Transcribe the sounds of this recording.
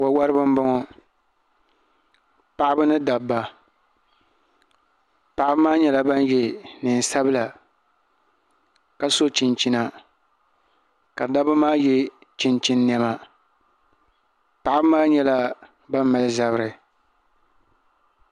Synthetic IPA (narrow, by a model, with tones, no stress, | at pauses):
wo˨˦wa˦ɾɨ˦bɨ˦m˦bɔ˦ŋɔ˦ | pa˨ʔɪ˦bɨ˦nɨ˦da˨bːa˨ | pa˨ʔɪ˦bmaː˦ɲɛ˦la˦ba˦n˦jɛ˨nɨ˨n˨sa˦bɨ˦la˨ | ka˨so˦t͡ʃɪ˨nt͡ʃi˦na˨ | ka˨da˦ba˦maː˦jɛ˦ | t͡ʃi˨nt͡ʃi˦nː˦ɛ˦ma˨ | pa˨ʔɪ˦bɨ˦maː˦ɲɛ˦la˦ | ba˦m˦ma˨lɨ˦za˦bɨ˦ɾɨ˨